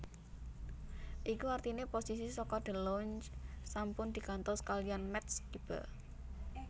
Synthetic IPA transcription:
ʔikuart̪ineposis̬isɔkɔd̪̥ə̤lɔɲt͡ʃsampʊnd̪̥i̤kant̪ɔskalianmɛt̪skib̥ə̰

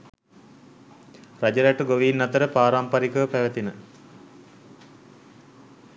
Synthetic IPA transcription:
rad͡ʑəɾæʈəɡoʋiːnːɐt̪əɾəpaːɾaːmpaɾikəʋpæʋət̪inə

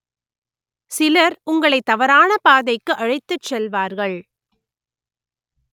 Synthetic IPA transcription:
sɪlɐɾʊŋɡɐɭɐɪt̪ːɐʋɐɾaːnɐpaːðɐɪkːɯʔɐɻɐɪt̪ːɯt͡ʃsɛlʋaːɾɣɐɭ

